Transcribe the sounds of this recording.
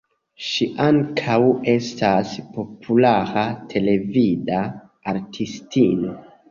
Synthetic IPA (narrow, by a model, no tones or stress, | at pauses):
ʃiʔaŋkʰawe̞stʰaspo̞pʰulaɾatʰe̞le̞vida | aɾtʰistino̞